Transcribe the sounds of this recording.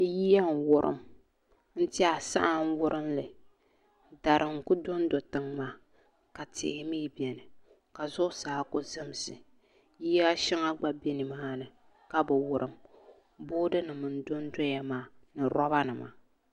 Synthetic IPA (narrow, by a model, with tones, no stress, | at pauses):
ji˦ja˦ŋ˨wʊ˦ɾʔɨ̰˨m | n̩˦tɪ˦a˨sa̰˦ʔa˦ŋ̩˦wʊ˦ɾʔɨ˦mlɨ˨ | da˨ɾʔɨ˨ŋ˨kʊ˦do˦n˦do˨tɨ˨ŋmaː˦ | ka˨tɪ̰˨ɪ˦mi˦bi˨ɛ˨nɨ˨ | ka˨zʊ˦saː˨˦kʊ˦zɨ˦m˦sɨ˨ | ji˦ja˦ʃɪ˦ŋa˦ɡ͡ba˦bi˦nɨ˨maː˦nɨ˨ | ka˦bɨ˨wʊ˨ɾʔɨ˨m | boː˦dɨ˦nɨ˨mɨ˨n˨do˦n˦do˦ja˨maː˦˨nɨ˨ɾɔ˦ba˦nɨ˨ma̰ː˨˦